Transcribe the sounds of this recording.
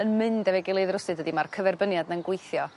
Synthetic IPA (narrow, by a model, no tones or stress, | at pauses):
ənmɨndɛvɛɡɪlˠeɨðrʊsɨdədimarkʰəvɛrbənjadnanɡwejθjɔ